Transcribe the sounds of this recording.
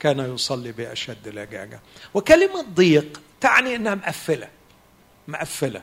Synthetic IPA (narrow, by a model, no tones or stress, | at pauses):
kaːnajʊsˤɑlːibɪʔaʃad̪ːlhaɡa̰ːɡawɪkalɪmad̪ˤːiːqt̪aʕniʔɪnːahamʔafːɪla | mʊʔafːɪla̰